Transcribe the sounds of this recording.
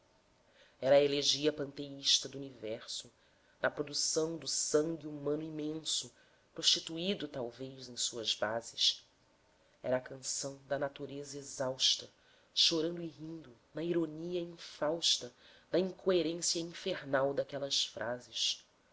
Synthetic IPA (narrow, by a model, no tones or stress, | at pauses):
ɛɾɐːeleʒiɐpɐ̃nt̪eiʃt̪ɐd̪uunivɛɾsʊ | nɐpɾod̪usɐ̃w̃d̪ʊsɐ̃ŋɡʲiumɐ̃nʊimẽsʊ | pɾoʃt͡ʃit̪uid̪ʊt̪awvejzẽj̃suɐzbazɪʃ | ɛɾɐːkɐ̃sɐ̃w̃d̪ɐnat̪uɾezɐezawʃt̪ɐ | ʃoɾɐ̃nd̪ʊiɦĩnd̪ʊnɐiɾoniɐĩfawʃt̪ɐd̪ɐĩŋkʰoeɾẽsjɐĩfeɾnawd̪akɛlɐsfɾʔazɪʃ